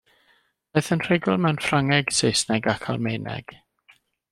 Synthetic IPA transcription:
b̥eːθənr̥ɪɡʊlˠmɛwnfraŋɛɡ̥sejsnɛɡakʰalˠmejnɛ̰ɡ̥

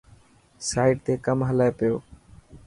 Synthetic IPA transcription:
saːɪʈt̪eːkəmɦəlaepɪjoː

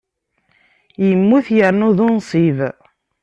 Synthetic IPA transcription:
jəmːuθjəɾnuðʊnsˤiv

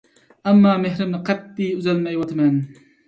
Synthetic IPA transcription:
ɛmːɑːmeɦɾɪmnɨqʰɛt̪ːiyzɛlmɛjwɑt̪ʰɨmɛn

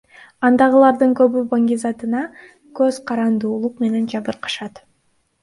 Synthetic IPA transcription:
ɑnd̪ɑʁɯlˠɑɾd̪ɯŋkø̞βybaŋɡʲizɑt̪ɯnɑ | køz̥qʰɑɾɑnd̪uːlˠuqme̞ne̞nd͡ʒɑβɯɾqɑ̥ʃɑt̪

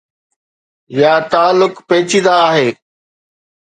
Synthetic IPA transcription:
jaːt̪aːlːʊkpeːt͡ɕĩd̪aːɦeː

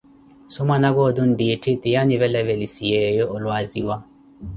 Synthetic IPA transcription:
sʊmanaɡɔdun̩dietʰɪt̪ɪjaniβɛlɛvɛlisiɛjɔʔɔlwaziwa

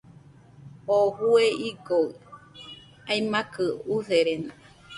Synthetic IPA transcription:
ohueiɡoɯ | ajmãkɨuheɾena

